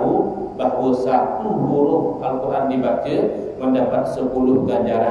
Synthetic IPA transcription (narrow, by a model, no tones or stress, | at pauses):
u | baɦwəsauhuɾʊhalkuɾandibat͡ʃə | məndapat̪̚səpulʊhɡaɲd͡ʒaɾa